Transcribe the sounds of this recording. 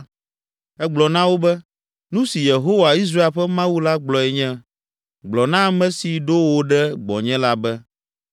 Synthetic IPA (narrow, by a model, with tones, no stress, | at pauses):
ɛ˦ɡ͡blɔ˨nã˦wo˦bɛ˦ | nũ˦si˨je˨ɦo˦wa˨i˦s̬ɾa˦e˦ɸɛ˦mã˦wu˦la˦ɡ͡blɔ˨ɛ˨ɲɛ̃˦ | ɡ͡blɔ˨nã˦mɛ̃˦si˨ɖo˦wo˦ɖɛ˦ɡ͡bɔ̰˨ɲɛ̃˦la˦bɛ˦